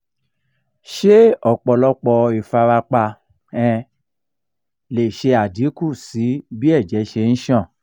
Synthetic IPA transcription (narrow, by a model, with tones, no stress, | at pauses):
ʃe˦ɔ˨k͡pɔ˧lɔ˦k͡pɔ˧i˨fa˧ɾa˧k͡pa˧ | ɛ̃˧ | le˨ʃe˧a˨di˨˦ku˦˨si˨˦bi˦ɛ˦˨d͡ʒɛ˨˦ʃe˧ñ̩˦ʃã˦˨